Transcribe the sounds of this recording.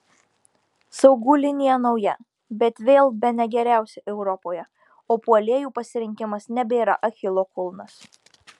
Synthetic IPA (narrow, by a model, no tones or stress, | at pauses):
sɒʊɡuːlʲɪnʲɪjɛnɒʊjɛ | bʲɛt̪ʋʲeːlˠbʲɛnʲɛɡʲɛɾʲæˑʊsʲɛʔɛʊɾɔpoːjɛ | oːpuɔlʲeɛjuːpɐsʲɪɾʲɪŋʲkʲɪmɐsnʲɛbʲeːɾɐ̰ʔɐxʲɪlˠoːkʊlˠnɐs